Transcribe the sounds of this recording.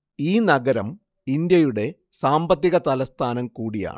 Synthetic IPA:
iːnɐɡɐɾɐm | ind̪jɐjuɽe̞ | saːmbɐt̪ːiɣɐt̪ɐlɐst̪ʰaːnɐmkuːɽija̰ːɳɨ

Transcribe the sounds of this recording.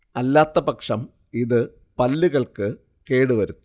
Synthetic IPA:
ɐlːaːt̪ːɐpɐkʂɐm | iðɨ | pɐlːiɣɐɭkɨ | ke̞ːɽɨʋɐɾut̪ːu

